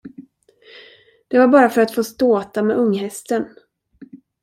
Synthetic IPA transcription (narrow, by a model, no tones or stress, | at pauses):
d̪̥ɛvaɾbɑːɾafœɾat̪foːst̪oːt̪amɛʔɵŋːɦɛst̪ən